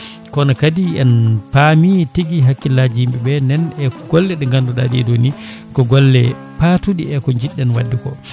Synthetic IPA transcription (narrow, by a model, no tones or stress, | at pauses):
kɔnakadiɛ̰npamitiɡiɦakːilad͡ʒimɓɛbɛnɛnɛkɔɡɔlːɛɗɛŋɡanduɗa̰ɗiɛ̰doni | kɔɡɔlːɛ | patuɗiɛkɔɲd͡ʒiɗːɛnwadːikɔ